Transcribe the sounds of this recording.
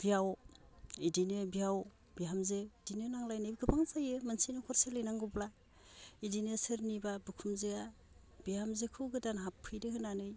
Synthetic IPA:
bijaw | idinɯbiaw | b̥iamzeidinɯnaŋlajnɯbiɡɯpʰaŋzajɯmɯnsinɯkʰɔɾselɯjnaŋɡubla | idinɯsɯɾnibabɯkʰumzea | b̥iamzekʰɯwɡɯdanɦapʰːɯjdɯhɯnanɯj

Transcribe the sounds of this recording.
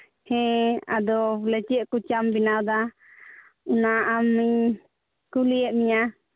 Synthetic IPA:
hɛ̃a̰d̪ɔlɛt͡ʃɛʔkut͡ʃambinawd̪a | unaːmːiɲ | kulijɛʔmiɲa

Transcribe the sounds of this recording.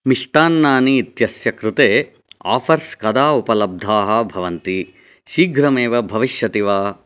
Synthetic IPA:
miʂʈ̪aːnːaːniːt̪jɐsjɐkɾut̪eː | a̰ːpʰɐɾskɐd̪aːupɐlɐb̚d̪ʱaːɦɐ̆bʱɐʋɐnt̪i | ʃiːɡɾɐmeːʋɐbʱɐʋiʃjɐt̪iʋaː

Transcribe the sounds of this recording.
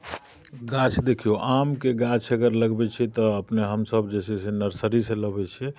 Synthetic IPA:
ɡat͡ʃʰd̪ekʰijoʔamkeɡat͡ʃʰəɡəɾləɡbɛt͡ʃʰit̪ɔəpneɦəmsəbd͡ʒɛsesenəɾsəɾiseləbɛt͡ʃʰɛ

